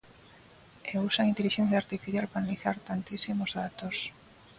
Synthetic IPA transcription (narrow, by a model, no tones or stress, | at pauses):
eusaŋint̪eliʃẽn̟θjaːɾt̪ifiθjalpɾanaliθaɾt̪ant̪isimozðat̪os